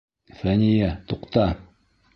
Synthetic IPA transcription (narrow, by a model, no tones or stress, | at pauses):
fænʲijæt̪uqt̪ɑ